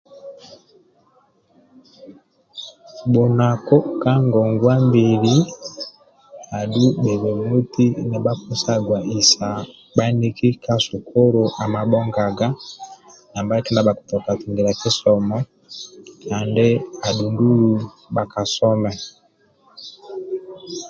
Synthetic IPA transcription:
bɔ˨na˨kɔ˦ka˦ŋɡɔ˨ŋɡwa˦mbi˨ɾi˦ | a˨ɗu˦ɓɛ˨βɛ˨mu˦ti˦nɛ˨ɓa˦ku˦sa˦ɡwa˨i˨sa˨ | ɓa˦ni˦ki˦ka˦su˨kɔ˦ɾɔ˨ʔa˨ma˨ɓɔ˦ŋɡa˨ɡa˦ | na˨mba˦kɛ˦nda˨ba˨ku̥˨tɔ˨ka˨tu˨ŋɡi˨ɾa˨ki˦sɔ˨mɔ˦ | a˨ndɛ˦a˨ɗu˨ndu˦ɾu˦ | ɓa˨ka˨sɔ˦mɛ˨

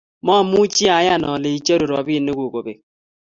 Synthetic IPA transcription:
mɔ˦˨mu˦t͡ʃi˦a˨˦ja˦˨nɔ˨le˨i˦t͡ʃe˦ɾo˨ɾɔ˨bi˦˨nːe˦kʷo˨ko˨be˨

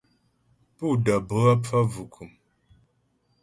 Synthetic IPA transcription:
pu˦˨də˨bə˨˦a˦p͡fa˦vu˨kʰu˨m

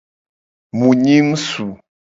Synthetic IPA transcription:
mũ˨ɲi˦m˦su˨

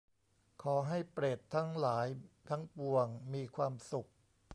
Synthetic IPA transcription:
kʰɔː˩˦ɦa˥˩jpɾeː˨˩t̪ʰːa˦˥ŋlaː˩˦jt̪ʰa˦˥ŋpu˨˩əŋmiː˧kʰwaː˧msu˨˩k̚

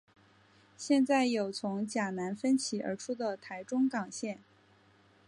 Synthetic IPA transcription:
ɕjɛ˥˧nt͡sa˥˩ɪjo˨˩ʊt͡sʰʊ˧˥ŋt͡ɕja˨˩na˧˥nfə˥nt͡ɕʰi˨˩ə̰˞˧˥ʈ͡ʂʰu˥d̪ə˨t̪ʰa˧˥ɪʈ͡ʂʊ˥ŋkɑ˨˩ŋɕjɛ˥˩n

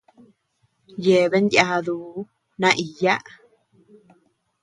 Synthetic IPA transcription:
je˨βe˦nd̪ja˧ðuː˨˦ | nã˦˧ʔi˨ja˦ʔ

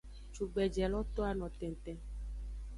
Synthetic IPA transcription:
t͡ʃu˨ɡ͡bɛ˨d͡ʒɛ˨lɔ˦t̪ɔ˦a˨nɔ̃˨t̪ɛ̃˨n˨t̪ɛ̃˨

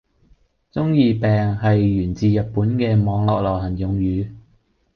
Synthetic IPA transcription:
t͡sʊ˥ŋjiː˧pɛː˨ŋɦɐ˨jːyː˨˩nt͡siː˨jɐ˨t̚pːuː˨˥nkɛː˧mɔː˨˧ŋlɔː˨k̚lɐ˨˩wɦɐ˨˩njʊ˨˧ŋjyː˨˧

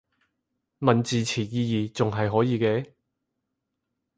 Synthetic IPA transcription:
mɐ˨nt͡siː˨t͡sʰiː˨˩jiː˧jiː˨˩t͡sʊ˨ŋɦɐ˨jɦɔː˨˥jiː˨˧kɛː˧

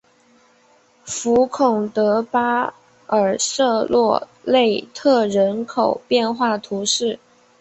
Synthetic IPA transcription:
fu˧˥kʰʊ˨˩ŋt̪ɤ˧˥pa˥ | ə˞˨˩sɤ˥˧lwɔ˥˧le˥˧ɪt̪ʰɤ˥˩ɻə˧˥nkʰo˨˩ʊpjɛ˥˧nxwa˥˩t̪ʰu˧˥ʂɻ̩˥˩

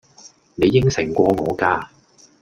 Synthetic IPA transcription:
ne˨˧jːɪ˥ŋsɪ˨˩ŋkʷɔː˧ŋɔː˨˧kaː˧

